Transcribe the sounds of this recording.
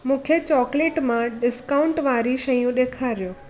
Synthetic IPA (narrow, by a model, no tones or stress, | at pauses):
mʊkʰjet͡ʃɔkleʈmãɖɪskauɳʈʋaɾiʃəjũd̪ekʰaɾjo